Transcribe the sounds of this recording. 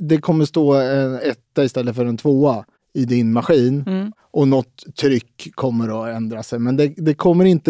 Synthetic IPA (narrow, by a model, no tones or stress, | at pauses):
d̪ɛkʰɔmːəʂt̪oːɛnɛt̪ːaɪst̪ɛlːət̪fœɖɛnt̪ʰvoːa | ɪd̪ɪnmaɧiːn | ʔɔnɔt̪ʰːɾʏkʰːɔmːəɾɔɛnd̪ɾasɛjmɛnd̪ɛd̪ɛkʰɔmːəɾɪnt̪ə